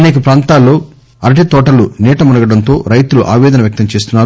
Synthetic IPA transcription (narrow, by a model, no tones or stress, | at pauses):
neːkɐpɾaːnt̪aːlːo̞ː | ɐɾɐʈit̪ɔːʈɐluniːʈɐmunɐɡɐɽɐnt̪o̞ːɾɐjt̪uluʔa̰ːʋɛːd̪ɐnɐʋjɐk̚t̪ɐmt͡ʃe̞ːs̬t̪unːaːɾu